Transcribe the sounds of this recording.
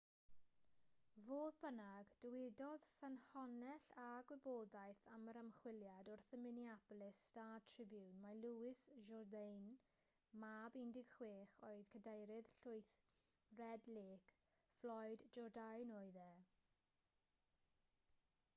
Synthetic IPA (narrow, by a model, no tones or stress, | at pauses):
voːðbənaɡd̥əwɪdɔðfənhɔnɛɬaɡwɪboːdajθaməɾəmχwɪlˠjadɔrθəmɪniablɪstatʰrɪbjuwnmaluɪsʒɔrdejn | mabɪndɪɡ̥χweːχoɨðkʰədejɾɪð̥ɬʊɨjθ | rɛdleːk | flɔjdd͡ʒɔdajnoːɨðɛ